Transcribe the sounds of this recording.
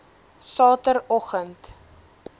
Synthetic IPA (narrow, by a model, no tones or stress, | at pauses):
sɑːtəɾɔχənt